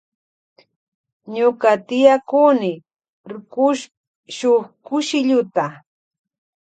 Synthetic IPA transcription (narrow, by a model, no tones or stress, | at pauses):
ɲʊkat̪ɪjakunɪ | ɾʊkʊʃ | ʃʊχkʊʃɪʎʊt̪a